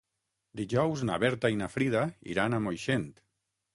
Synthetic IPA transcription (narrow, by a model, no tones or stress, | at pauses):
d̪iʒɔwzna̰βɛɾt̪ainafɾiðaḭɾanamojʃent̪